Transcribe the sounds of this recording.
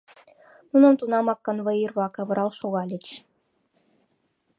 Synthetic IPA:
nunɤ̆mt̪unɑmɑkːɤ̆nβɤ̆irβlˠɑkɑβɤ̆ɾɑlʃoɣɑlʲĕt͡ɕ

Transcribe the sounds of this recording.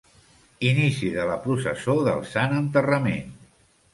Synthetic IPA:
inisiðələpɾusə̰soðə̰lˠsanənt̪ərəmḛn

